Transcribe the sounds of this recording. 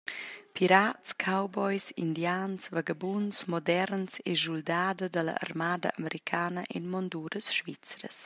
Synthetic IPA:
pʰiɾatskʰawbɔjsḭndjaːnsvaɡabunsmɔdɛɾnseʒuldaːdadəla̰ʔa̰rmaːda̰ʔaməɾikʰaːnaʔinmɔnd̪uːɾəsʃvit͡sɾə̰s

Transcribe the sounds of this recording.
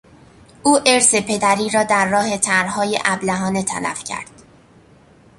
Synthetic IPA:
ʔuːʔe̞ɾse̞pʰe̞d̪æɾiːɾɒːd̪æɾːɒːhe̞t̪ʰæɾhɒːjḛʔæblæɦɒːne̞t̪ʰæ̰læ̰fcʰæ̰ɾd̪̥

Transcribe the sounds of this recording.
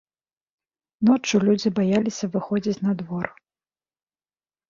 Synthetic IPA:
nɔt͡ʂulʲud͡zʲibajalʲisʲɐvɨxɔd͡zʲit͡sʲnɐd̪vɔr

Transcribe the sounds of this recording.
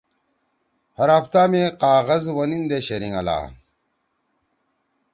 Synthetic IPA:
hɐɾɐft̪aːmeqaːɣɐzwɐnind̪eɕɐɾiŋɐla̰ː

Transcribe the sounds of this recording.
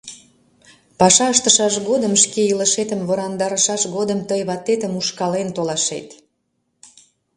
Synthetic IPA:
pɑʃɑəʃt̪əʃɑʃɣod̪əmʃkeilə̆ʃet̪əmβoɾɑnd̪ɑɾəʃɑʃɣod̪əmt̪əjβɑt̪ːet̪əmuʃkɑlent̪olɑʃḛt̪

